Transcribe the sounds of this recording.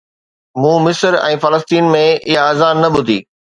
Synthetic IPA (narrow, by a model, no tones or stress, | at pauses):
mũːmɪsəɾɛ̰̃ːfɐləst̪iːnmẽɪɦaaːzaːɾnɐɓʊd̪ʱiː